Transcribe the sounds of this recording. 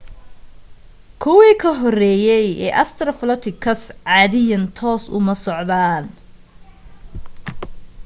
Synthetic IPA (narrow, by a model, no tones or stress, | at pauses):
kʰʊwiːkʰɐɦɔrɛːjɛjɛ̰ːʔɐst̪ʰɾɐflɔt̪ʰɪkʰɐsʕɑːðɪjɐnt̪ʰɔːsʊ̰mɐsɔʕðaːn